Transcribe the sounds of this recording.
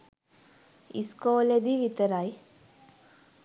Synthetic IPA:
iskoːled̪iʋit̪əɾaj

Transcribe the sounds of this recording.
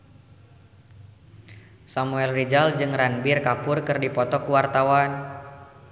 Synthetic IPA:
samuɛlrid͡ʒald͡ʒɨŋranbirkapʊrkɨrdipɔt̪ɔkuwart̪awan

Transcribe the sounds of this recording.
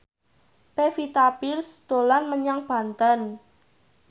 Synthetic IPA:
pefit̪apirsd̪̥o̤lanməɲaŋb̥ä̤nt̪ən

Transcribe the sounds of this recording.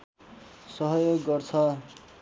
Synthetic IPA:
sʌɦʌjoɡːʌrt͡sʰʌ

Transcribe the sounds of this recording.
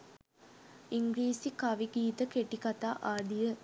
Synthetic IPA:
iŋɡɾiːsikaʋiɡiːt̪əkeʈikat̪aːʔaːd̪ijə

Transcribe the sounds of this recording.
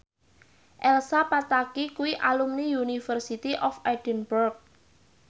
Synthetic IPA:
ʔɛlsapat̪akikuwiʔalumniunifərsit̪iʔɔfajd̥ənburk̚

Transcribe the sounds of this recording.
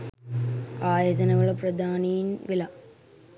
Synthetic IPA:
aːjɐd͡ʑɐnɐʋɐɭɐpɾɐd̪ʱaːnijnʋɪlɐ

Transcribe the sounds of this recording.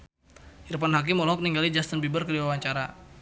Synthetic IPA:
hiɾupanɦak̬ɪmɔlɔɔk̚niŋɡalid͡ʒast̪ənbibərkəɾiwawaɲt͡ʃaɾa

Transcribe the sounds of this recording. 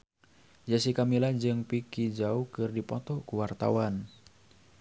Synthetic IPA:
d͡ʒasikamilad͡ʒɨŋpikid͡ʒaukɨrdipɔt̪ɔkuwart̪a̰wan

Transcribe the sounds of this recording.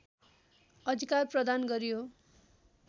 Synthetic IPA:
ʌd̪ʱikarprʌd̪anɡʌɾjo

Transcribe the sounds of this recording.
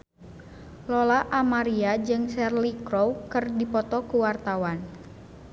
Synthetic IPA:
lɔlaʔamaɾiad͡ʒɨŋsɛrlikɾɔwkɨrdipɔt̪ɔkuwart̪awan

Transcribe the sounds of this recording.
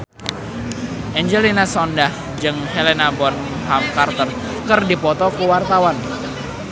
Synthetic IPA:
ʔɛɲd͡ʒɛlinasɔndah | d͡ʒɨŋɦɛlenabɔn | ɦamkart̪ər | kɨrdipɔt̪ɔkuwart̪awan

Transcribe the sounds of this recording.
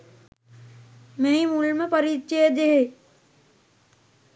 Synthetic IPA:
meɦimulməpɐɾiːtt͡ʃejəd̪eɦe

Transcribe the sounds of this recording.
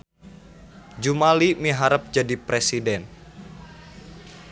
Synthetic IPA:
d͡ʒumalimiɦaɾəp̚d͡ʒadipɾesidɛn

